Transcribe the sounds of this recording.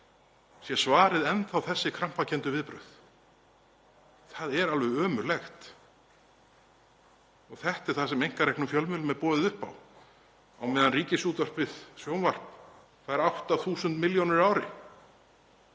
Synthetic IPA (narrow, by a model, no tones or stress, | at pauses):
sjɛsvaːɾɪðɛnθawθɛsːɪkʰɾam̥pacʰɛnt̪ʏvɪðpɾœ̰θ | θaðɛɾalvɛœːmʏɾlɛxt̪ | ɔɣθɛht̪ɛɾ̥θasɛmejŋ̥kaɾɛhknʏmfjœlmʏːlʏmɛðpɔːðɪðʏhpa̰w | awmɛːðanriːcɪsuːt̪var̥pvɪðsjownvar̥pn | θaðɛɾawht̪aθuːsʏnt̪mɪljownɪɾaːwɾɪ̰